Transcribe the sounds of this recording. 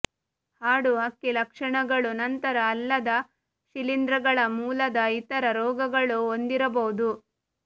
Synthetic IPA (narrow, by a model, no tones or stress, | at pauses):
haːɽuɦɐkːilɐkʂɐɳɐɡɐɭunɐnt̪ɐɾɐːlːɐd̪ɐ | ʃilind̪ɾɐɡɐɭɐmuːlɐd̪ɐit̪ɐɾɐɾɔːɡɐɡɐɭuond̪iɾɐbɐɦud̪u